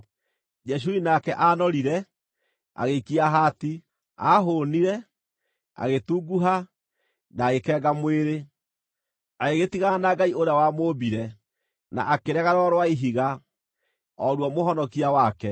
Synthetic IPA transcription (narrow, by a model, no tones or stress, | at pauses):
d͡ʒɛʃ̬uinakɛʔanɔɾiɾɛ | a̰ɣekiaɦati | a̰ɦoniɾɛ | a̰ɣetuɡuɦa | naːɣekɛːɡamweɾe | aeɣetiɣanaɡaioɾawamoːbiɾɛ | na̰ʔakeɾɛɣaɾɔɾwaiɦiɣa | ɔɾwɔmoɦɔnɔkiawakɛ